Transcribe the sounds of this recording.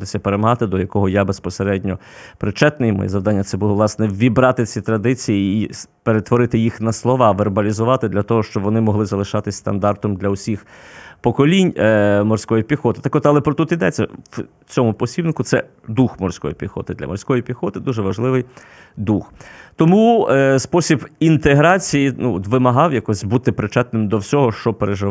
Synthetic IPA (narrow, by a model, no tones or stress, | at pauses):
ɪsʲɐpeɾemɐɦɑt̪ɪd̪ɔjɐkɔɦɔjabespɔseɾɛdʲnʲɔpɾɪt͡ʃɛt̪nɪjmɔ̰jɛ̰zɐʋd̪ɑnʲːɐt̪sɛbulˠɔʋlˠɑsnɛʋʲibɾɑt̪ɪt͡sʲit̪ɾɐd̪ɪt͡sʲijiːpeɾet̪ʋɔɾɪt̪ɪjixnɐslˠɔʋɑʋerbɐlʲizʊʋɑt̪ɪd̪lʲɐt̪ɔɦɔʃt͡ʃɔbʋɔnɪmɔɦlˠɪzɐlˠɪʃɑt̪ɪsʲst̪ɐnd̪ɑrt̪ɔmd̪lʲɐwsʲixpɔkɔlʲinʲmɔrsʲkɔjipʲixɔt̪ɪ̥t̪ɑkɔt̪ɐlˠɛpɾɔt̪ut̪id̪ɛt͡sʲːɐ̰w | t͡sʲɔmʊpɔsʲibnɪkʊsɛ | d̪uxmɔrsʲkɔ̰jḭpʲixɔ̰t̪ɪd̪lʲɐ̰mɔ̰rsʲkɔjipʲixɔt̪ɪd̪uʒɛʋɐʒlˠɪʋɪj | d̪uxt̪ɔmuspɔsʲibint̪eɦɾɑt͡sʲijinuɔt̪ʋɪmɐɦɑwjɐkɔsʲbut̪ɪpɾɪt͡ʃɛt̪nɪmd̪ɔwsʲɔɦɔʃt͡ʃɔpeɾeʒɪ